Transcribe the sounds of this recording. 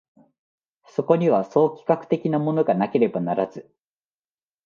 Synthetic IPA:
so̞ko̞ɲ̟iβaso̞ːkʲi̥kakɯ̟̥t̪e̞kʲinamo̞no̞ɡanake̞ɾe̞banaɾazɨ

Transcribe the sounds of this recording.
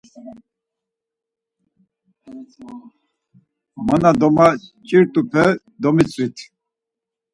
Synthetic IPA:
manad̪ɔmat͡ʃʼiɾt̪ʼupʰɛ | d̪ɔmit͡sʼvit̪ʰ

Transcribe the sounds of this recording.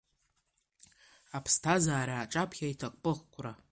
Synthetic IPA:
apʰstʰazaːɾaːʈ͡ʂʼapʰʼχʲaitʰaqʷʼpʼɨʁkʷʰʼra

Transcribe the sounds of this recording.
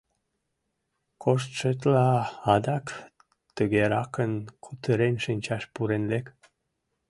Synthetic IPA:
kʰoʃ̬t̪ʃət̪lɑɑd̪ɑk | t̪əɣeɾɑkənkʰut̪əɾenʃənʲt͡ɕɑʃpuɾenlek

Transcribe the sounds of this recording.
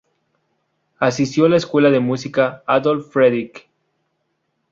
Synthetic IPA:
asist̪jolaeskwe̞laðe̞musikaaðolffɾeðik

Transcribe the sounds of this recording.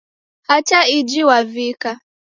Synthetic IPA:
hat͡ʃaid͡ʒiwavika

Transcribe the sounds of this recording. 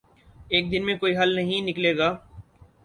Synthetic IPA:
eːk̚d̪ɪnmẽkoːiɦɐlnɐɦĩnɪkleːɡaː

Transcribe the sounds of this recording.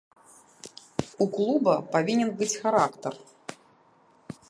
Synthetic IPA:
uklˠubɐpavʲinʲɛnbɨt͡sʲxaɾakt̪ɐr

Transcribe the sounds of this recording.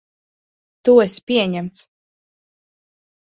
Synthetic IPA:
t̪uesʲpʲiɛɲɛmt̪s

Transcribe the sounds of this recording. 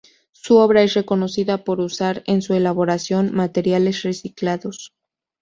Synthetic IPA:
suo̞β̞ɾae̞sre̞ko̞no̞siðapo̞ɾusaɾe̞nsue̞laβo̞ɾasjo̞nmat̪e̞ɾjale̞sre̞siklaðo̞s

